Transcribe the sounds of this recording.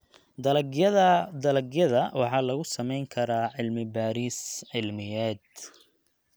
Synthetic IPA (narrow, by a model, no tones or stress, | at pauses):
d̪ɐlɡjɐðɐd̪ɐlɐɡjɐðɐwɑħɑːlɐɣʊsɐmɛjŋkʰɐɾaːʕɪlmɪbaːɾiːsʕɪlmɪjɛːd̪